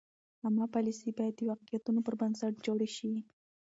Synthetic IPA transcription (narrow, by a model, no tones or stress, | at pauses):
amːɑpɑlisibajad̪ːəwaqijat̪unopəɾbənsaʈ̚d͡ʒoɽaʃi